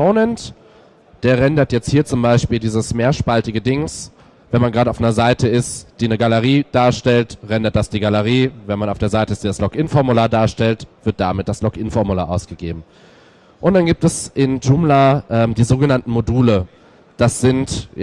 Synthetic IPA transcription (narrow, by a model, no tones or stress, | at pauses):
oʊnɛnt | d̥eːɐʁɛndɐtjɛt͡sthiːɐt͡sʊmbaɪʃpiːldiːzəsmeːɐʃpaltɪɡədɪŋs | vɛnmanɡʁaːdəaʊʔnɐzaɪtəɪstd̥iːnəɡaləʁ̞iːd̥aːɐʃtɛltʁɛndɐt̚d̥asd̥iːɡaləʁ̞iːvɛnmanaʊfd̥eːɐzaɪtəɪstd̥iːdaslɔkʔɪnfɔɐmulaːɐdaːɐʃtɛltv̥ɪɐt̚d̥amɪt̚d̥aslɔkʔɪnfɔɐmulaːɐʔaʊsɡ̥əɡeːbm̩ | ʔʊnt̚d̥anɡiːp̚tɛsʔɪnd͡ʒuːmlaʔɛːmdiːzoːɡənantn̩moduːlə | d̥asz̥ɪnt